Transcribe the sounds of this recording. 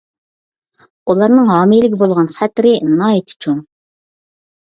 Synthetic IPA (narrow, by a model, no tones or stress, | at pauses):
ulˠɑɾnɨŋɦɑːmilɪkʲbolˠʁɑnχæt̪ɾɪnɑːet̪ʰɪ̥t͡ʃʰuŋ